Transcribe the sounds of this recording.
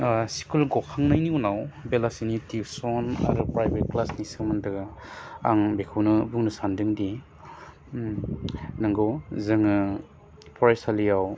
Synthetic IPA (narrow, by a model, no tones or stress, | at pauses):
si̥kulɡɔkʰaŋnajniunawbelasinitibsɔna̰ɾupɾajbet̚klasnisɯŋmandɯ | a̰ŋbekʰɯwnɯbuŋnɯsandɯŋdi | naŋɡɔzɯŋɯ | pʰɔɾesalijaw